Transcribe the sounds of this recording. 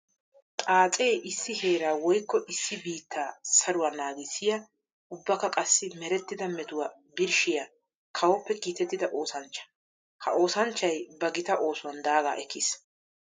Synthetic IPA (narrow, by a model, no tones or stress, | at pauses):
tʼaːt͡sʼeːʔɪsːɪhe̞ːɾaːwɔjkːɔʔɪsːɪbiːt̪ʰːaːsɐɾʊwɐnaːɡɪsɪjɐ | ʊbːɐkːɐkʼɐsːɪmɛɾɛt̪ːɪd̪ɐmɛt̪ʊwɐ | bɪɾʃɪjɐ | kʰɐwɔpːɛkiːt̪ɛt̪ːɪd̪ɐʔo̞ːsɐnt͡ʃːɐ̥ | hɐ̰ʔo̞ːsɐnt͡ʃːɐjbɐɡɪt̪ɐʔo̞ːsʊwɐnd̪aːɡa̰ːʔɛkːɪs